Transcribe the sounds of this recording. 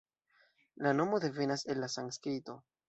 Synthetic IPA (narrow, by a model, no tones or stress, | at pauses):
lano̞mo̞d̪e̞ve̞nase̞nlasaŋskɾito̞